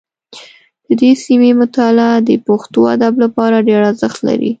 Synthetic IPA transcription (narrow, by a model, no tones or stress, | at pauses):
d̪̥əd̪esimemʊt̪alad̪əpaxt̪oa̰d̪ablapɑɾaɖeɾaɾzəxt̪la̰ɾḭ